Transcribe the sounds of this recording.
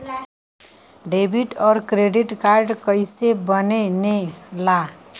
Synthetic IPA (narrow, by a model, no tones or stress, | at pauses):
ɖebʱiʈʌɾkreɖiʈkarɖkʌjsebʌnenela